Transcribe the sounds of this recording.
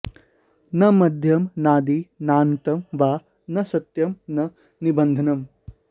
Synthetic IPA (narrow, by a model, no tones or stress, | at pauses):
nɐmɐd̪ʱjɐmnaːd̪inaːnt̪ɐmʋaː | nɐsɐt̪jɐmnɐ | nibɐnd̪ʱɐnɐm